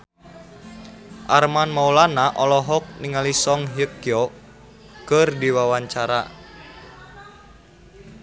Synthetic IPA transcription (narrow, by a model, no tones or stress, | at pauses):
ʔarmanmaulanaʔɔlɔɦɔk̚niŋalisɔŋɦjəkiɔ | kərdiwawaɲt͡ʃaɾa